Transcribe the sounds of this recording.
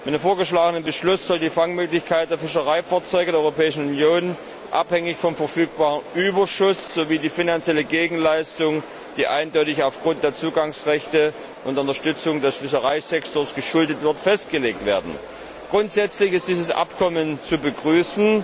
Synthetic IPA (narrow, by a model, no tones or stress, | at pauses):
mɪtnemfoːɐɡəʃlaːɡənənbəʃlʊsz̥ɔldiːfaŋmøːklɪçkʰaɪt̚d̥eːɐfɪʃɐʁaɪfaːɐt͡sɔʏɡədeːɐɔʏʁopʰɛːɪʃn̩unjoːn | ʔa̰phɛŋɪçfɔmfɛɐfyːk̚b̥aːʁənʔyːbɐʃʊsz̥oːviːdiːfinant͡sjɛləɡeːɡŋ̩laɪstʊŋ | d̥iːʔa̰ɪndɔʏtɪçaʊfɡ̥ʁʊnt̚d̥eːɐt͡suːɡaŋsʁɛçtə | ʔʊntʊntɐʃtʏt͡sʊŋdɛsfɪʃɐʁaɪzɛktoːɐsɡ̥əʃʊldətv̥ɪɐtfɛst̚ɡ̥əleːk̚tv̥ḛːɐdn̩ | ɡ̥ʁʊntz̥ɛt͡slɪçɪst̚d̥iːzəsʔa̰pkʰɔmənt͡subəɡʁyːsn̩